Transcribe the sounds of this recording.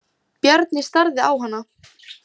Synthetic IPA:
pjaɾt̪nɪst̪aɾðɪawɦanːa

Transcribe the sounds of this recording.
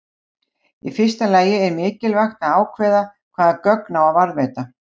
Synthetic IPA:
ifɪr̥st̪alaːjɪɛɾmɪːcɪlvaxt̪aðaːwkʰvɛːðakʰv̥aːðakœknaːwavaɾðvejt̪a

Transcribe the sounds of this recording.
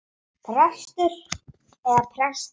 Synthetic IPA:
pʰɾɛst̪ʏɾ | ɛðapʰɾɛst̪

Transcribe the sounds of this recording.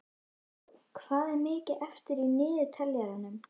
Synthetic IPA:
kʰvaːðɛɾmɪːcɪʔɛft̪ɪɾinɪːðʏt̪ʰɛljaɾanʏm

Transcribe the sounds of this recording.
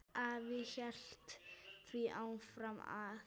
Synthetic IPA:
avɪçɛl̥t̪θviʔa̰wnfɾama̰

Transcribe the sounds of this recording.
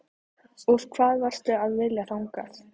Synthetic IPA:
ɔɾ̥kʰv̥aːðvar̥st̪ʏaðvɪljaθawŋka̰ɾ̥

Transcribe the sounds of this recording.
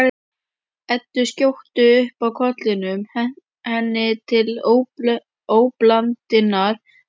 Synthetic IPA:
ɛt̪ːʏscowht̪ʏʏhpawkʰɔt̪lɪnʏm | hɛnːɪt̪ʰɪl | oːwplant̪ɪnːaɾ̥

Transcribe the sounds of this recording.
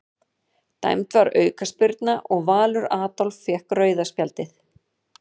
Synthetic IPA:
t̪a̰jm̥t̪vaɾœːɥkaspɪɾt̪naʔɔɣvaːlʏɾaːt̪ɔlfːjɛhkrœːɥðaspjalt̪ɪθ

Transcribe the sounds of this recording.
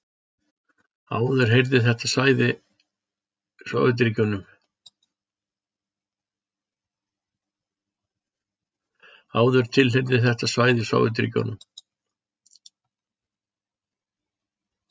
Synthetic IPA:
a̰ːwðʏɾ̥ɦejɾðɪθɛht̪asaːjðɪ | sva̰ːwvʏt̪̬ɪɾɪcownʏm | aːwðʏɾ̥t̪ʰɪlɦejɾðɪθɛht̪asvaːjðɪsva̰ːwvʏ̰t̪̬ɪɾɪ̰co̰wnʏm

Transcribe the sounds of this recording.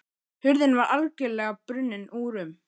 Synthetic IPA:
hʏɾðɪnvaɾalcɛlɛːɣapɾʏnːɪnʔuːɾʏm

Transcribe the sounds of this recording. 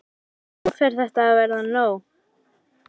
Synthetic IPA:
ɔfɛɾ̥θɛht̪aːðvɛɾðanoːw

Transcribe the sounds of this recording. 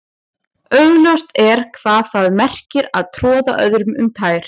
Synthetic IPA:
œɥɣljɔwst̪ɛɾ̥kʰvaːðθaðmɛr̥cɪɾaðt̪ʰɾɔːða̰ʔœðɾʏmʏmt̪ʰaːjɾ̥

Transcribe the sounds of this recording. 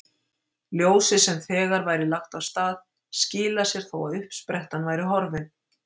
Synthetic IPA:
ljoːwsɪsɛmθɛːɣaɾvaːjɾɪlaxt̪avst̪aːð | scɪːlasjɛɾ̥θowaðʏhpspɾɛht̪anvaːjɾɪɦɔɾvɪn

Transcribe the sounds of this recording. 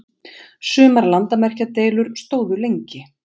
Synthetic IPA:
sʏːmaɾlant̪amɛr̥cat̪eːjlʏɾst̪oːwðʏlejɲcɪ

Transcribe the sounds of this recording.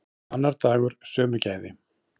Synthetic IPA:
anːaɾt̪aːɣʏɾ̥sœːmʏɾcaːjðɪ

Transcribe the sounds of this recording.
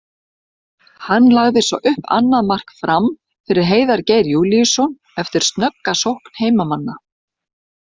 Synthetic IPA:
hanːlaɣðɪsɔ̰ʔʏhpa̰nːaðmar̥kfɾam | fɪɾɪɾ̥ɦeːjðaɾcejɾjulisɔn | ɛft̪ɪɾ̥st̪nœkːasowhkn̥heːjmamanːa

